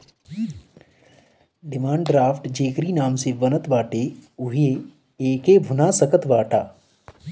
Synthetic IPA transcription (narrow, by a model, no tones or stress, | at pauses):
ɖɪmãːɳɖɖɾaːfʰʈd͡ʒeːkɾiːnaːmseʋɐnət̪ʋaːʈeʊɦe | eːkeːbʱʊnasəkət̪ʋaːʈaː